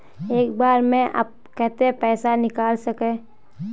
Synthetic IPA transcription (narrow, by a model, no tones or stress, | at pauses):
eːkbaːɾmẽʔa̰b̚kɛɦt̪eɦɛ̃pɛːsanɪkaːlsɐkẽː